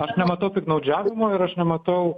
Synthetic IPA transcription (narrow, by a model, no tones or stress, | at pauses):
ɐʃnʲɛmɐt̪ɐʊt̪ʲɪknɐʊd͡ʒʲæːʋʲɪmoːɪɾɐʃnʲɛmɐt̪ɐʊ